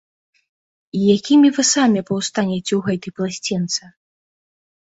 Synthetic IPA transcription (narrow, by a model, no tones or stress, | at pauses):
ijakʲimʲivɨsamʲɛpɐwst̪anʲɛt͡sʲɛwɣɛt̪ɨjplˠasʲt͡sʲint̪sɨ